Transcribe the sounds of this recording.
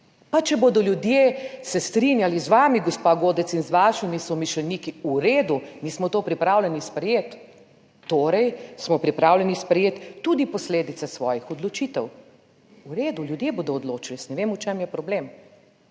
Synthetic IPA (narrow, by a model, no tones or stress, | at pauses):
pat͡ʃɛbod̪ɔljud̪jeːsɛst̪ɾinjalizʋaːmiɡɔspaɡoːd̪ɛsinzʋaːʃimisɔmiʃlɛniːkiuɾeːd̪unismɔt̪oːpɾipɾaːwlʲɛnispɾɛjeːt̪ː | oːɾɛjsmɔpɾipɾaːwlʲɛnispɾɛjeːt̪ːud̪ipɔsleːd̪it̪sɛsʋɔːjixɔd̪lɔt͡ʃiːt̪ɛw | uɾeːd̪uljud̪jeboːd̪ɔːd̪loːt͡ʃilisnɛʋeːmut͡ʃemjɛpɾɔblem